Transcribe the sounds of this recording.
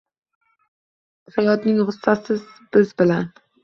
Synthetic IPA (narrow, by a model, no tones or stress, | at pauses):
hajɒd̪nɪŋhʊsːasɪzb̥ɪzbɪlan